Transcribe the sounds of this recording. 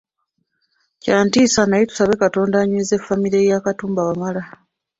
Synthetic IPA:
caːntiːsanajitu̥saβe̞kato̞ːndaɲeze̞fːamiɾejakatuːmbawamala

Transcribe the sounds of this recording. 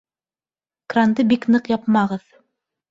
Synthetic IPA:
krand̪ɤbiknɤqjɑp̚mɑʁɤð

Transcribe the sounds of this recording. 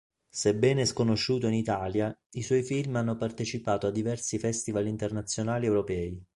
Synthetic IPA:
sebɛːneɛskonoʃːuːt̪oinit̪aːljaiswɔjfilmanːopart̪et͡ʃipaːt̪oad̪ːivɛrsifɛst̪ivalint̪ernat̪sːjonaːliɛwɾopɛːi

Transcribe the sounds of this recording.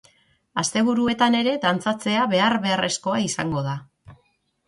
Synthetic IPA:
ast̪e̞β̞uɾue̞t̪ane̞ɾe̞d̪ant͡sat͡se̞aβe̞aɾβe̞are̞sko̞aisaŋɡo̞ða

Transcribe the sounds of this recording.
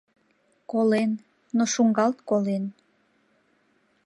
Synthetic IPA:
kolenː | oʃuŋɡɑlt̪kolen

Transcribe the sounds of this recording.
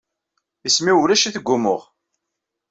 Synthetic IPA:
ismiwlæʃiθəɡʷːʊmʊʁ

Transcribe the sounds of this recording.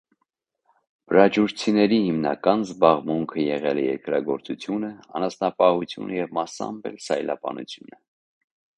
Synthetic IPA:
bəɾɑd͡ʒuɾt͡sʰinɛɾihimnɑ̰kɑnzbɑʁmuŋkʰəjɛʁɛlɛjɛɾkɾɑɡɔɾt͡sut͡sʰjunəɑnɑsnɑpɑhut͡sʰjṵnəjɛvmɑsɑ̰mbɛ̰lsɑjlɑbɑ̰nṵt͡sʰjunə

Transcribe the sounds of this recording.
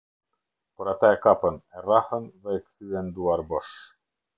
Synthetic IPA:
pɔɾat̪aɛkapənɛrahənðɛɛk̪θyɛnd̪uaɾbɔʃ

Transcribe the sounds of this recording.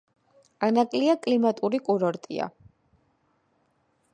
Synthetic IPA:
anakʼliakʼlimat̪ʼuɾikʼuɾɔɾt̪ʼḭa̰

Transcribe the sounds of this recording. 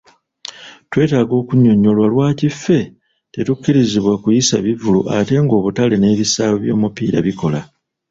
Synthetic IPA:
twe̞ːtaːɡo̞ːkuɲːo̞ɲːo̞lwalwaːcifːe̞ | te̞tukːiɾiziβwakujisaβivuluʔate̞ŋɡo̞ːβutale̞ne̞ːβisaːβoβjo̞ːmupiːɾa̰βiko̞la

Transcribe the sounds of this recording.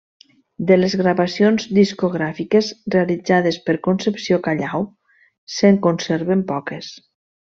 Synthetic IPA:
d̪elezɣɾaβasionzd̪iskoɣɾafikezrealid͡zað̞espəɾkonsepsiokaʎaw | seŋkonseɾβempɔkes

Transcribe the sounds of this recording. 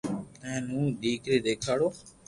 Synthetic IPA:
ə̃nũːɗiːkɾeːd̪eːkʰaːɽoː

